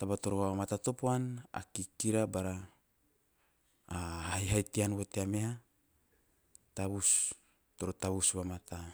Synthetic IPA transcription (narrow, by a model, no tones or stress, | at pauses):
t̪abat̪o̞ɾoamat̪at̪o̞poana̰kikiɾabaɾa | hajɦajt̪ianwot̪eamea | t̪aβus | t̪o̞ɾot̪aβusβamat̪a